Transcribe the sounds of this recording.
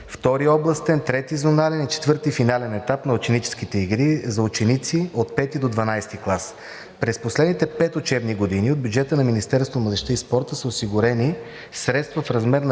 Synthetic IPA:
ft̪ɔɾiɔblˠɐst̪ɛnt̪ɾɛt̪izonalɛnit͡ʃɛ̥t̪vɤɾt̪ifinalɛnɛt̪apnɐʊt͡ʃɛnit͡ʃɛ̥sk̟it̪ɛiɡɾizɐʊt͡ʃɛnit̪siot̪̚pɛt̪id̪od̪vɐnajst̪iklˠas | pɾɛsposlɛd̪nit̪ɛpɛt̪ot͡ʃɛbniɡod̪iniod̪bʲjud͡ʒɛt̪ənɐminist̪ɛɾst̪voməd̪ɛʃt̪əispɔɾt̪əsəosiɡʊɾɛni | sɾɛt̪st̪vɐfɾɐzmɛɾn

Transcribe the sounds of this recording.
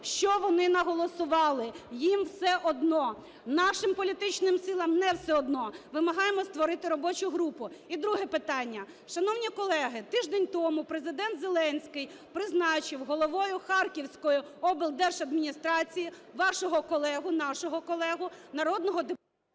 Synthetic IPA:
ʃt͡ʃɔʋɔnɪnɐɦɔlˠɔsʊʋɑlˠɪjimwsɛʔɔd̪nɔ | nɑʃɪmpɔlʲit̪ɪt͡ʃnɪmsɪlˠɐmnɛwsɛɔd̪nɔʋɪmɐɦɑjemɔst̪ʋɔɾɪt̪ɪɾɔbɔt͡ʃʊɦɾupʊid̪ɾuɦɛpɪt̪ɑnʲːɐ | ʃɐnɔwnʲikɔlˠɛɦɪt̪ɪʒd̪ɛnʲt̪ɔmʊpɾezɪd̪ɛnt̪zelˠɛnʲsʲkɪj | pɾɪznɑt͡ʃɪwɦɔlˠɔʋɔjʊxɑrkʲiwsʲkɔjʊɔbɪlˠd̪ɛrʃɐd̪mʲinʲist̪ɾɑt͡sʲiji | ʋɑʃɔɦɔkɔlˠɛɦʊnɑʃɔɦɔkɔlˠɛɦʊnɐɾɔd̪nɔɦɔd̪e

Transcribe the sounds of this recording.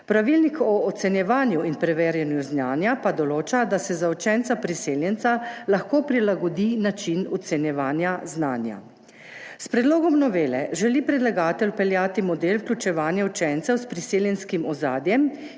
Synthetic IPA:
pɾaʋilnikɔːt̪sɛnjɛʋaːnjuinpɾɛʋeːɾjɛnjuznaːnjapad̪ɔloːt͡ʃad̪asɛzaɔt͡ʃɛnt̪sapɾiseːljɛnt̪salaxkoːpɾilaɡɔd̪inat͡ʃinɔt̪sɛnjɛʋaːnjazna̰ːnja̰ | spɾɛd̪loːɡɔmnɔʋeːlɛ̰ʒɛlipɾɛd̪laɡaːt̪ɛlpɛljaːt̪imɔd̪elwklʲut͡ʃɛʋaːnjaut͡ʃɛnt̪sɛwspɾiseːljɛnskimɔza̰ːd̪jɛm

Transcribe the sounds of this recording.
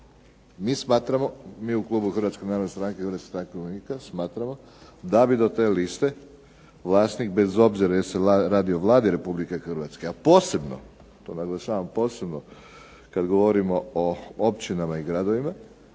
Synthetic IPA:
miːsmaːt̪ɾamo̞miːuklˠuːbuxrɾʋat̪skenaːɾod̪nest̪ɾaːŋkexɾʋat̪kst̪ɾaːŋkenikasmaːt̪ɾamo̞ | d̪abid̪o̞t̪e̞ːlist̪e̞ | ʋlˠaːsnik̚be̞zo̞bziɾajeseaɾaːd̪io̞ʋlˠaːd̪iɾe̞publikexrɾʋat̪skeapo̞ːse̞bno̰ | t̪o̞ːnaɡlˠaʃaːʋampo̞ːse̞bno | kad̪ɡo̞ʋo̞ɾimo̞oopt͡ɕinamaiɡɾad̪o̞ʋima

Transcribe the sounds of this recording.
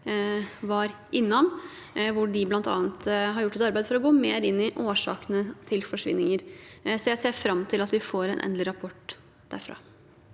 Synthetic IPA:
ʋɑɾ | ɪnːɔm | ʋʊɖɪblɑnt̪ɑ̰ːnt̪ɦɑɾjʊʈːɛt̪ɑɾbæɪfɔɾɔɡoːmeːɾɪnːɪʔoːʂɑ̰ːknət̪ʰɪlfɔʂʋɪ̰nːɪŋəɾsɔjæɪseːɾfɾɑmːt̪ʰɪlɑt̪ʋɪfoːɾɛ̰nʔɛ̰nd̪lɪɾɑpʰɔʈː | d̪̥æ̰ɾfɾɑ̰ː

